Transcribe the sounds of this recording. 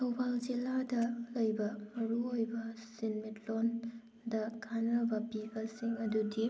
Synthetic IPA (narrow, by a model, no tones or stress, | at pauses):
tʰɐwbʱald͡ʒiladɐlɐjbɐmɐɾuojbɐsinmitlon | dɐkʰanɐbɐpibɐsiŋɐdudi